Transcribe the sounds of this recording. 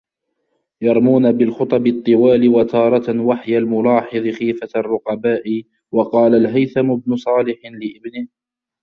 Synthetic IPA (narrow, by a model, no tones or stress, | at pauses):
jɑɾˤmuːnabɪlxʊt̪ˤɑbɪt̪ˤːɨwaːlɪwat̪ʰɑːɾˤɑwaħjalmʊlɑːħɨðˤɨxiːfarˤːʊqɑbaːʔɪ | wɑqɑːlalɦajθamʊbnʊsˤɑːlɪħlɪʔɪbnɪh